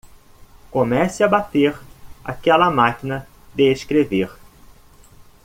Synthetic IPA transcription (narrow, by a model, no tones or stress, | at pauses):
komɛsɪɐbat̪eɾa̰kɛlɐmakinɐ | d̪eeʃkɾeveɾ